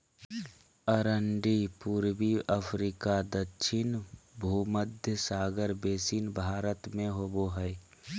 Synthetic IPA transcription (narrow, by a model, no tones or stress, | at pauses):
əɾəɳɖipuːɾwiəpʰɾiːkad̪ətːʃʰɪnbʱuːməd̪ʱjəsaːɡəɾbeːsinbʱaːɾət̪mẽɦoboɦɛj